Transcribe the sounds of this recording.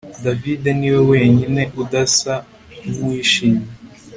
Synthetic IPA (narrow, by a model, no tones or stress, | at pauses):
davide̞niːwe̞we̞ːɲine̞ʔudasa | umwiːʃiɲi